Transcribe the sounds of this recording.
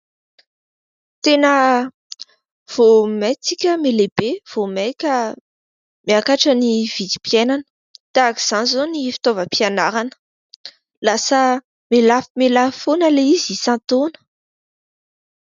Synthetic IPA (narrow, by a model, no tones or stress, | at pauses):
t̪enə | v̥omet͡sikʲəmelebev̥omekʲə | meakaʈ͡ʂəniv̥id̪i̥pjenanə̥ | t̪aki̥z̥anizonifi̥t̪ovəpianaɾanə̥ | lasə | melafimelafonəleizisãt̪onə̥